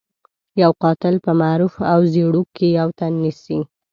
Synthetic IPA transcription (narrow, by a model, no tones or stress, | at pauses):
jawqɑt̪ɪlpəmaɾufawzeɽukʰːejawt̪anːisi